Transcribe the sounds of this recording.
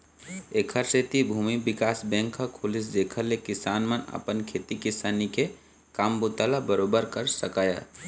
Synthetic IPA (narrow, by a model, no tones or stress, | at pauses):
eːkʰəɾset̪ibʱuːmibɪkaːsbɛ̃ːŋkʰːakʰʊlɪs̬d̪eːkʰəɾːekɪsaːnmənə̰pənkʰeːt̪ikɪsaːnike | kaːmbʊt̪alabəɾoːbəɾkəɾsəkaːja̰